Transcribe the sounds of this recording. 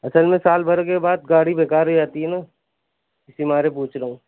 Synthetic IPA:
ɐsəlmẽsaːlbɐɾkebaːd̪̚ɡaːɽibʱeːkaːɾɦod͡ʒaːt̪iɦɛnaː | ɪsimaːɾepuːt͡ʃɾɐɦũː

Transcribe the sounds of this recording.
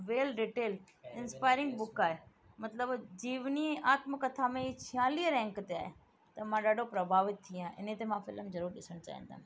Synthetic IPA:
ʋeːlɾiːʈeːl | ɪnspaːɪɾɪ̃ŋɡbʊkaːɦe | mɐt̪ləbd͡ʑiːʋniɛ̃ʔaːt̪mɪkːɐt̪ʰamẽit͡ɕʰiãːliəɾɛ̃ːŋkt̪ea̰ːɦe | t̪ɐmãɗaːɖʱopɾɐbʱaːʋɪt̪ʰːiãːʔɪ̰nẽt̪emãːfɪləmzɐɾuːɾɗɪsəɽ̃t͡ɕa̰ːɦə̰̃n̆d̪a̰ː

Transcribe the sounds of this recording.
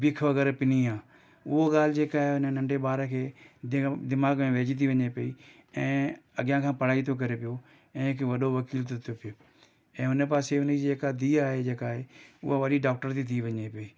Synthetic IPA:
bɪkʰʋɐɡəɾpɪniaː | ʊɦoɠaːl̤ɪd͡ʑeːkaːɦeʊnənɐ̃ɳɖeɓaːɾəkʰeː | d̪ɪmaːɡmẽʋeːd͡ʑit̪̬ʰiʋɐɲepɐi | ɛ̃ːɐɡjãkʰãːpɐɽ̤aːit̪ʰok̬ɐɾepijo | ɛ̃ːkʰʋɐɗoʋɐkiːlt̪ʰot̪ʰopijoː | ɛ̃ːɦʊnəp̬aːseʊneːkad̪iːaːɦed͡ʑeːkaːɦeʊ̰ɦaʋɐɗiɖaːk̚ʈəɾt̪ʰit̪ʰiʋɐɲepɐiː

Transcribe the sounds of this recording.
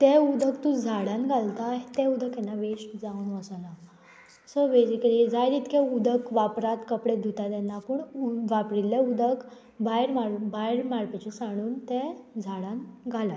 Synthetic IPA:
t̪ɛud̪ək̚t̪ud͡zʱaɽãnɡʱalt̪ajt̪ɛ̃ud̪əkɛnːaʋeɕd͡zaunʋəsala | səbed͡ʑikəlid͡zajd̪it̪kʰɛud̪ʱəkʋapɾat̪kəpɽed̪ʱut̪ad̪ɛnːapəɳuʋapɾilːeud̪ək | bajɾmabajɾmaɾpɛt͡ɕisaɽ̃uːnt̪ɛd͡zʱaɽãnɡʱala

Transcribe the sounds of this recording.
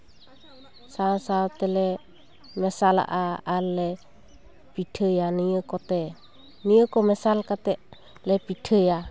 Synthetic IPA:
sasat̪ɛlɛ | mɛsala̰ʔaːlɛ | pit̪ʰəjanijəkɔt̪ɛ | niəkomɛsalkat̪ɛʔ | lɛpit̪ʰəja

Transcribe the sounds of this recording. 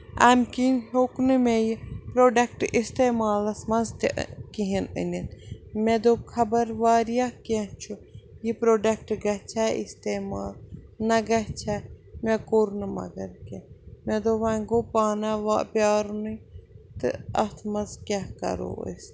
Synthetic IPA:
a̰ːmkinhoknɨmẽjipɾoːɖɐk̚ʈist̪eːmaːlɐsmɐnzt̪kiɦinə̰ninmẽd̪oːkʰɐbɐɾʋaːɾijaket͡ʃʰujipɾoːɖɐk̚ʈɡɐt͡ʃʰaːḭst̪eːmaːlnɐɡɐt͡ʃʰamẽkoɾnɨmɐ̰ɡɐɾkemẽd̪oːʋɐ̃ŋɡoːpaːnaʋapjaːɾnɨt̪ɨ̰ɐ̰t̪ʰmɐnzkʲaɦkɐ̰ɾo̰ə̰s

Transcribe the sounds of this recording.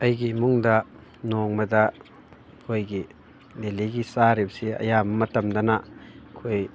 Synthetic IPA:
ɐjɡimuŋdɐ | noŋmɐdɐ | pʰojɡi | leliɡisaɾibsiɐ̰jamɐmɐtɐmdɐnɐkʰoj

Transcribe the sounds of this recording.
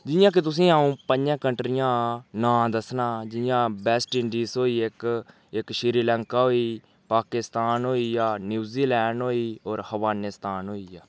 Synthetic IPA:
d͡ʒɪjãːk̬ɪt̪ʊs̬ĩːaːũːpəɲd͡ʒɛ̃ːkəɳʈɾɪjãːnãːd̪əsnaːd͡ʒɪjãːbɛːsʈɪɳɖiːsoːiːɪk | ɪkʃɪɾiːlɛ̃ːŋkaːɦoːiː | paːkɪst̪aːnɦoːiːjaːnjuːziːlɛːɳɖɦoːiːoːɾhəʋaːnɪst̪aːnɦoːiːjaː

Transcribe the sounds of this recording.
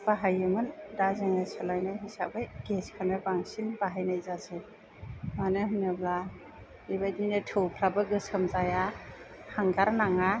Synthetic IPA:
b̥aɦajɯmɯndazɯŋnɯsɯlajnɯɦisa̰bɯjɡeskʰanɯbaŋsinbaɦajnajzasɯj | manɯɦɯnːɯbla | ibajtninɯtʰɯwpʰɾabɯɡɯsɯmzajahaŋɡaɾnaŋa

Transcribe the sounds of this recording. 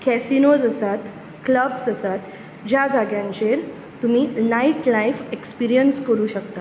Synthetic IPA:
kʰɛsinod͡zəsat̪ | kləbsəsat̪ | d͡ʑjad͡zaɡjãɲt͡ɕeɾ | t̪umiːnaiʈlaifekspiɾijənskəɾuːɕəkt̪a

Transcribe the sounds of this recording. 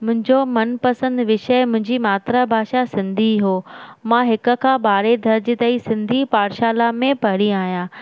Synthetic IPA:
mʊ̃ɦɪ̃ɲd͡ʑomɐnpɐsə̃nd̪ʋɪʃəmʊ̃ɦɪ̃ɲd͡ʑimaːt̪ɾabʱaːʃasɪ̃nd̪ʱiɦoːmãɦɪkʊ̆kʰãːɓaːɾed̪ʱɐɾd͡ʑɪt̪ɐisɪ̃nd̪ʱipaːɾʃaːlamẽpɐɽiaːɦijãː

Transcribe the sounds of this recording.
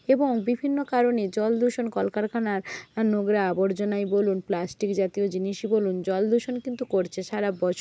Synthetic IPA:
eboŋbibʱinːokaɾoned͡ʑɔld̪uʃonkɔlkaɾkʰanaɾnoɡɾaaboɾd͡ʑonajbolunplasʈikd͡ʑat̪iod͡ʑiniʃibolund͡ʑɔld̪uʃonkint̪ukoɾt͡ɕʰeʃaɾabɔt͡ɕʰ

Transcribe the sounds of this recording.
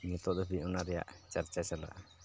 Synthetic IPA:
ɲut̪ɔd̪ɔbiɔnaɾɛja̰ʔt͡ʃaɾt͡ʃat͡ʃala̰ʔ

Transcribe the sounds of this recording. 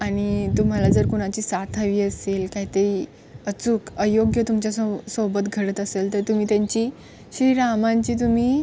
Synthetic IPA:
aɽ̃it̪um̤alad͡zəɾkuɽ̃at͡ɕiːsat̪ʰaʋiːəselkaɦit̪əiː | ət͡sukəjoɡjət̪umt͡ɕasobət̪ɡʱəɽət̪əselt̪əɾt̪um̤iːt̪jaɲt͡ɕiː | ɕɾiɾamãɲt͡ɕiːt̪̬um̤iː

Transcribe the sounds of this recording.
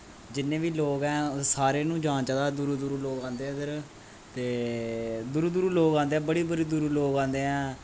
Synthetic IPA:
d͡ʒɪnːẽːʋiːloːɡɛ̃ːsaːɾeːnũːd͡ʒãːt͡ʃad̪aːd̪uɾuːd̪uɾuloːɡãːnd̪eːɛ̃d̪əɾ | t̪eː | d̪ʊɾuːd̪uɾuːloːɡãːnd̪eːɛ̃ːbəɽiːbəɽiːd̪ʊɾuːloːɡãːnd̪eːɛ̃ː

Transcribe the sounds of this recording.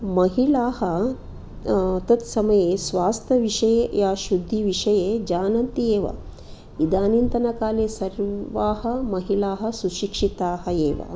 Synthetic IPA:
mɐɦilaːhɐ | t̪ɐt̪sɐmɐjeːsʋaːst̪ʰɐʋiʂɐjejaːʃud̪ʱːiʋiʂɐjeːd͡ʒaːnɐnt̪ieːʋɐ̰ | id̪aːnint̪ɐnɐkaːleːsɐɾʋaːɦɐ̆mɐɦilaːɦɐ̆suʃikʂit̪aːɦɐeːʋɐ̰

